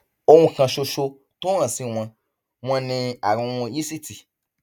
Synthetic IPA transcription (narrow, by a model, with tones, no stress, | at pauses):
o˦wũ˧kã˧ʃo˧ʃo˧ | to˦ã˨sĩ˧w̃ã˧ | w̃ã˧nĩ˧a˨ɾũ˧ũ˧ji˦si˦ti˨